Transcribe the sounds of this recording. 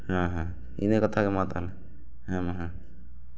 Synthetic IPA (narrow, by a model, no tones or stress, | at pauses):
ɦãɦã | ḭnekət̪ʰakemat̪ɦəlɛ | ɦãmɦã